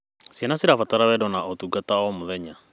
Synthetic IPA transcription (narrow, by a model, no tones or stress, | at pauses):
sianasiɾafat̪aɾawɛdɔnaɔt̪uɡat̪aɔmuðɛɲa